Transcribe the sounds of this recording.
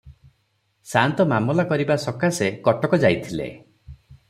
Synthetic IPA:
sant̪ɔmamɔlakɔɾibasɔkasekɔʈɔkɔd͡ʒajt̪ʰilḛ

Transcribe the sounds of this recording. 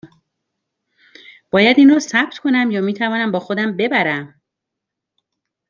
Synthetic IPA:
b̥ɒːjæd̪iːnrɒːsæb̥̚t̪kʰo̞næmjɒːmiːt̪ʰævɒːnæmbɒːxod̪æmbe̞bæɾæm

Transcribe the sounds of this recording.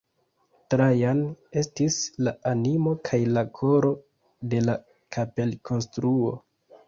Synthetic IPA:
tɾajane̞stislaanimo̞kʰajlakʰo̞ɾo̞ | de̞la | kʰape̞lkʰo̞nstɾuo̞

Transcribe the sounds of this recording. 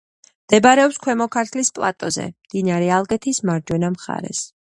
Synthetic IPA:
md̪̥ɛbaɾɛɔpskʰwɛmɔkʰaɾt̪ʰlispʼlˠat̪ʼɔzɛ̰md̪̥inaɾɛalˠɡɛt̪ʰismaɾd͡ʒwɛnamχa̰ɾɛ̰s

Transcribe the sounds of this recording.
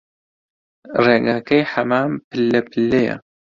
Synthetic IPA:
reːɡaːkɐjħɐmaːmpʰɨlːɐpʰɨlːɐjɐ̰

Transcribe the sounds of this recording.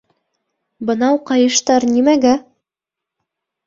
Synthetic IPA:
bɤ̆nɑwqɑjɤ̆ʃt̪ɑɾnimæɡæ

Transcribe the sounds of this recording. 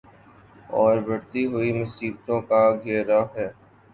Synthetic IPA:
ɔːɾbɐɽt̪iɦʊimʊsiːbt̪õkaɡʱeːɾaɦɛː

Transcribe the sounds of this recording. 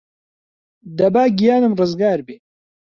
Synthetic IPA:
d̪ɐbaːɡijaːnɨmrɨzɡaːɾbeː

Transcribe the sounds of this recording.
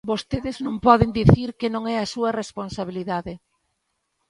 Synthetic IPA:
bost̪eðeznõŋpɔðend̪iθiɾkenõŋɛɐsuɐresponsaβ̞iliðaðe

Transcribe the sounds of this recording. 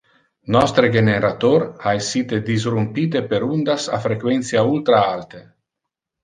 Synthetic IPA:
nɔst̪ɾeɡeneɾat̪oɾaesːit̪ed̪izrumpiːt̪epeɾund̪asa̰fɾekwɛnt̪sjault̪ɾaalt̪e

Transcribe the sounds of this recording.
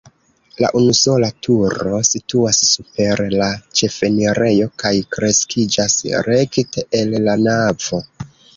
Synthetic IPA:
la̰ʔunuso̞latʰuɾo̞situasːupe̞ɾlat͡ʃe̞fe̞niɾe̞jo̞kajkɾe̞skid͡ʒasɾe̞kte̞ʔellanav̥o̞

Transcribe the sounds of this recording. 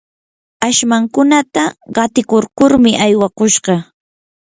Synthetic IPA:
aʃmaŋkʊnat̪aɢɑt̪ɪkoɾkʊɾmɪʔajwakʊʃɢɑ

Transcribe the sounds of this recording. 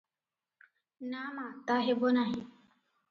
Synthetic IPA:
naːmat̪aɦebonaɦi

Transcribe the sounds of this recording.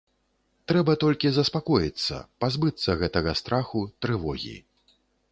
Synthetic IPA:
t̪ɾɛbɐt̪ɔlʲkʲizɐspakɔjit̪sːɐ̰pazbɨt̪sːɐɣɛt̪ɐɣɐst̪ɾaxut̪ɾɨvɔɣʲḭ

